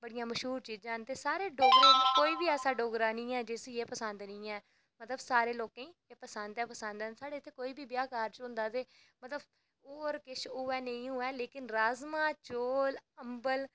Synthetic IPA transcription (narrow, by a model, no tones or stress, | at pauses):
bəɽijãːməʃɦuːɾt͡ʃiːd͡ʒãːnt̪eːsaːɾeːɖoːɡɾãːnĩːkoːiːbiːɛːsaːɖoːɡɾãːnĩːɛːd͡ʒɪsieːpəsənd̪nĩːɛː | mət̪ləbsaːɾeːloːkãːĩːeːpəsənd̪ɛːpəsənd̪ɛnsaːɽeːt̪ʰːeːkoːiːbiːbjaːkaːɾt͡ʃɦʊ̃nd̪aːt̪eː | mət̪ləb | oːɾkɪʃʰʊːɛːnə̃ĩːɦʊːɛːleːkɪnɾaːzmãːt͡ʃoːləmbəl